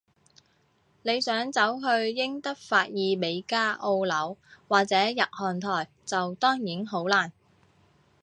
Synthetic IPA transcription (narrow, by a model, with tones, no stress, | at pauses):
ne˨˧jsœː˨˥ŋt͡sɐ˨˥wɦɵ˧ɥjɪ˥ŋt̪ɐ˥k̚faː˧t̚jiː˨˧me˨˧jkaː˥ʔo˧wlɐ˨˥wwaː˨k̚t͡sɛː˨˥jɐ˨t̚hɔː˨˩nt̪ʰɔː˨˩j | t͡sɐ˨wt̪ɔː˥ŋjiː˨˥nɦo˨˥wlaː˨˩n